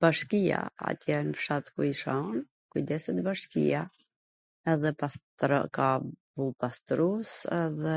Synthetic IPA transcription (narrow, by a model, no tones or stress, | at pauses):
b̥aʃkija̰a̰t̪jɛnfʃat̪kuiʃan | kujd̪ɛsɛt̪baʃkḭa | ɛðɛpastɾ̰kavulˠpast̪ɾusɛðɛ